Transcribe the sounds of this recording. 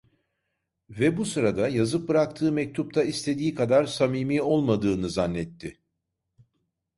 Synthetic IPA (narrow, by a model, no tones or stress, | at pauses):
vɛbusɯɾad̪ajazɯp̚bɯɾakt̪ʰɯːmɛc̚t̪ʰup̚t̪ʰaist̪ʰe̞d̪iːkʰad̪aɾsamiːmiːo̞lˠmad̪ɯːnɯzanːɛt̪ʰːɪ